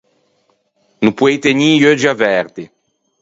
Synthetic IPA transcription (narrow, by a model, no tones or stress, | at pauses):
nupwejt̪eɲiːjød͡ʒiavɛɾd̪i